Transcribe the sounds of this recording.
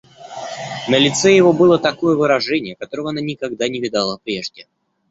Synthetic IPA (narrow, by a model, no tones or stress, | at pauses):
nəlʲɪt̪sɛjɪvo̞bɨlˠət̪ɐko̞jəvɨɾɐʐɛnʲɪjəkɐt̪o̞ɾəvəɐnanʲɪkɐɡ̚d̪anʲɪvʲɪd̪alˠəpɾʲeʐdʲɪ